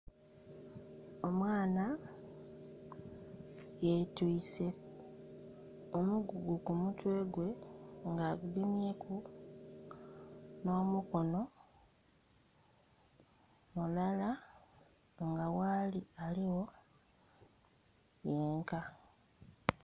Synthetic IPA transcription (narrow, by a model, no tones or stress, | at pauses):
o̞mwaːna | jetwiːse̞ | omuɡuɡukumutwe̞ːɡwe̞ŋɡaːɡudimje̞ːku | no̞ːmuko̞no̞ | mulala | ŋɡawaːlialiwo̞ | jeːŋka